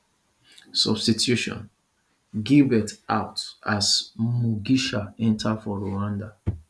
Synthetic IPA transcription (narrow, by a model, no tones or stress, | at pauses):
sɔ̰bstitʰjuʃɔ̰̃n | ɡibɛtaʊtasmuɡiʃaɛ̃ntʰadfɔɹoãnda